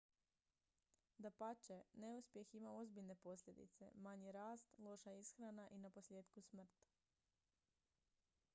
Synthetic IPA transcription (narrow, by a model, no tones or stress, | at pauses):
d̪apat͡ʃene̞uspje̞ximaozbiʎne̞po̞sʎʲe̞d̪ḭt̪se̞̰maɲiɾaːst̪lˠo̞ʃaisxɾanaʔinapo̞sʎʲjeːt̪kusmr̩t̪